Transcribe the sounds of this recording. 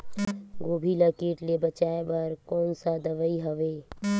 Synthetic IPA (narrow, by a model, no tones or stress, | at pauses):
ɡoːbʱiləkiːʈlebət͡ʃaːebɐɾkɔːnsad̪ɐʋəiɦəʋeː